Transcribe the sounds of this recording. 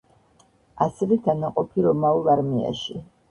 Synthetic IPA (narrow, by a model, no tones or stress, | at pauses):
asɛvɛd̪anaqʼɔpʰiɾɔmaulˠaɾmia̰ʃi